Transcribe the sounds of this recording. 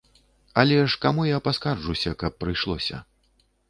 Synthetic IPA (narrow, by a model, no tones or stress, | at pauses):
ɐlʲɛʂkamujapaskard͡ʐusʲɐkɐpːɾɨjʂlˠɔ̰sʲɐ̰